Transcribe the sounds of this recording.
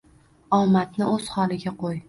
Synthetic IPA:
ɒmat̪nɪɵz̥hɒlˠɪɡʲaqʰoj

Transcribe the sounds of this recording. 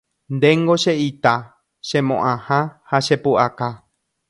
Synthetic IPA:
nd̪eŋɡoʃeʔit̪a | ʃẽmõʔãhãhaʃepuʔaka

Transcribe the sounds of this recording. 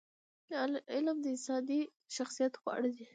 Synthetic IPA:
ɪlmd̪əɪsɑd̪i | ʃaxsijat̪ɣwɑ̰ɽəd̪i

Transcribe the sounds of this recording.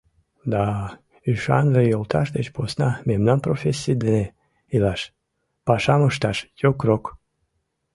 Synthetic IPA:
d̪ɑ | yʃɑ̰nvejolt̪ʰɑʃd̪et͡ɕposnɑmemnɑnprofʲesʲːijd̪ene | ilɑʃ | pɑʃɑməʃt̪ɑʃjokrok

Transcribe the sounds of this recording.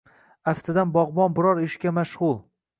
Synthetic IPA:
aft̪ʰɪd̪anbɒʁbɒnbɪɾɒɾɪʃkʲamaʃʁʊlˠ

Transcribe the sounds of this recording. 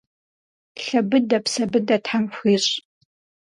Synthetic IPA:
ɬɐbɨdɐpsɐbɨdɐtħamfʷiːɕʼ

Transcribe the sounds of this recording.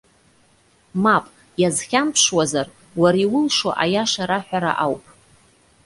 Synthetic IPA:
mapʼ | jazχʲampʰʂwazar | waɾiwʊlʂo̰ʔajaʂaɾaħʷᶣaɾa̰ʔawpʼ

